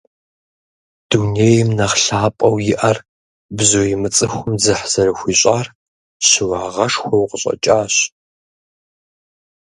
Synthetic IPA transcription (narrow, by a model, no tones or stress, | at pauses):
d̥unejmnɐχɬaːpʼɐwjɪʔɐr | bzojɪmɨt͡sʼɨxʷʊmzɨħz̥ɐɾɨxʷiːɕʼaːr | ɕɪwaːʁɐʂxʷɐwqəɕʼɐ̰t͡ʃʼaːɕ